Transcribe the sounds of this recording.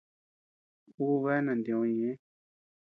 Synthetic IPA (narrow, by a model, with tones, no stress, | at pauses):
u˦wɛ˦na˨ndɔ̃˨jɛ̃˨˦